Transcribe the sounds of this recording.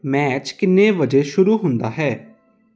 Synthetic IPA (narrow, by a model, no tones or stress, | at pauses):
mɛːt͡ʃkɪnːẽːʋəd͡ʒeːʃʊɾuːɦʊ̃nd̪aːɦɛː